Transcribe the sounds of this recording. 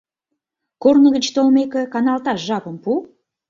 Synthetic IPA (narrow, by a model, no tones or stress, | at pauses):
kornəɣə̆t͡ɕt̪olmekĕkɑnɑlˠt̪ɑʃʒɑpə̆mpu